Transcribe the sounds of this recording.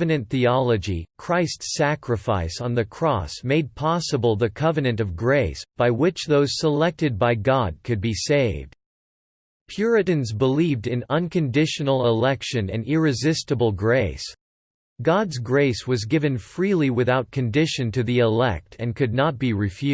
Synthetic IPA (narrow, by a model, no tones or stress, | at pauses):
ɨnɨ̃nθiɑlˠəd͡ʒikʰɹ̥aɪstsækɹɨfaɪsn̩ðɨkʰɹ̥ɔ̰smeɪd̚pʰɑsəbl̩ˠðɨkʰʌvɨnɨ̃nʌvɡɹeɪsb̥aɪwɪt͡ʃðoʊz̥səlɛk̚tɨd̚baɪɡɑd̚kʰɨd̚biseɪvd̥ | pʰj̥ʊɹɨɾɨ̃nzbəlivdɨ̃nʌ̃nkʰɨ̃ndɪʃɨnl̩ˠɪlɛkʃɨ̃nɨ̰̃nɪɹɨzɪstɨbl̩ˠɡɹeɪs | ɡ̥ɑdzɡɹeɪswʌzɡɪvɨ̃nfɹilˠiwɨθaʊt̚kʰɨ̃ndɪʃɨ̃ntʰɨðiɪlɛ̰k̚tʰɨ̃nkʰɨdⁿnət̚b̥iɹɨfjʉ